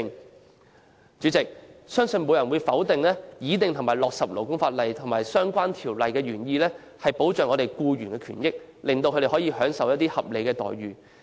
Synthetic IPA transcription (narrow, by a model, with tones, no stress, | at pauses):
ŋ | t͡ʃyː˨˥t͡sɪ˨k̚sœː˥ŋsɵ˧nmo˨˧jɐ˨˩nwuː˨˧jfɐ˨˥wt̪ɪ˨ŋlɛː˥jiː˨˧˥t̪ɪ˨ŋt̪ʰʊ˨˩ŋmaː˨˩jlɔː˨k̚sɐ˨p̚lo˨˩wkʊ˥ŋfaː˧t̚lɐ˨jt̪ʰŋmaː˨˩jsœː˥ŋkʷaː˥nt̪ʰiː˨˩wlɐ˨jkɛː˧ɥyː˨˩njiː˧lɛː˥ | hɐ˨jpo˨˥wt͡ʃœː˨ŋɔː˨˧ɾe˨˩jkuː˧ɥyː˨˩nkɛː˧kʰy̰ː˨˩njɪ˥k̚ | lɪ˨ŋt̪o˧wkʰɵ˧ɾe˨˩hɔː˨˥jiː˧hœː˨˥ŋsɐ˨wjɐ˥t̚t̪iː˥hɐ˨p̚le˨˧jkɛː˧t̪ɔ̰ː˨jɥyː˨˩